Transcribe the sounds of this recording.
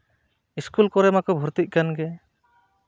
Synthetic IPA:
iskulkɔɾɛmakɔbʱuɾt̪ic̚kanɡɛ

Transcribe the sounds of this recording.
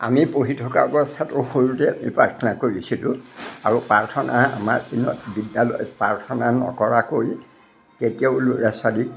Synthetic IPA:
a̰mipoɦitʰɔka̰ɹbɔsʰatɔxoɹutɛamipɹaɹtʰɔnakoɹisilʊaɹupaɹtʰɔnʔaa̰maɹinɔ̰tbidːalɔ̰jɔpɹaɹtʰɔnanɔ̰kɔɹakoɹi | ketijaʊloɹasadi

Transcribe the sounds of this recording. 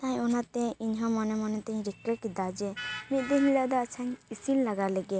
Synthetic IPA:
t̪ãɲɔnat̪ɛiɲɦɔ̃mɔnɛmɔnɛt̪aɲɾikːəkid̪ad͡ʒɛmit̪̚ˀd̪ɛɦilad̪ɔat͡ʃʰaɲisinlaɡalɛɡɛ

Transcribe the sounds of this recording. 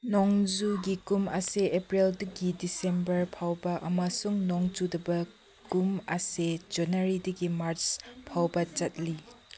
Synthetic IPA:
nɔŋd͡ʒuɡikumɐseepɾildɐɡidisembɐɾpʰawbɐʔɐmɐsuŋnɔŋd͡ʒudɐbɐ | kumɐsed͡ʒɐnɐɾidɐɡimaɾt͡ʃpʰawbɐt͡ʃɐt̚li

